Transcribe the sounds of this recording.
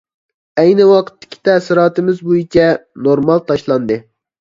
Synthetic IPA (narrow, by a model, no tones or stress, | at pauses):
æjnɪwɑqʰə̥t̪ːɪ̥kʲʰi̥t̪ʰæsɨɾɑːt̪ɨmɪzbojit͡ʃʰɛnoɾmɑlˠt̪ʰɑʃlˠɑnd̪ɨ